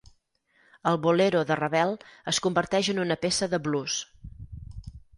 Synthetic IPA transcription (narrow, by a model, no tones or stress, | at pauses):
əlˠβuleɾoðərəβɛlˠəskumbəɾt̪ɛʒənunəpesəðəβlus